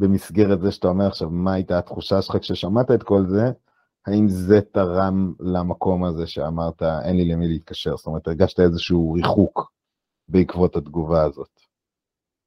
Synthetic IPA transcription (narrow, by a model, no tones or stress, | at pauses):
be̞misɡeʁet̪zeʃeatao̞me̞ʁaχʃavmaajt̪at̪χuʃaʃelχakʃeʃamat̪aet̪ko̞lze̞ | haimzet̪aʁamlamako̞maze̞ʃeamaʁt̪aḛnlilemileit̪̚kaʃe̞ʁstomeet̪eʁɡaʃt̪aezeʃuuʁiχuk | beikvotat̪ɡuvaːzo̞t̪